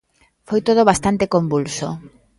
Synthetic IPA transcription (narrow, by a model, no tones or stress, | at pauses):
fojt̪oð̞oβast̪ant̪ekombulso